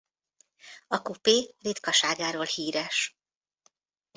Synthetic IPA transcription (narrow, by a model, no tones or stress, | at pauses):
ɒkupeːreːt̪kɒʃaːɡaːɾoːlhiːɾɛʃ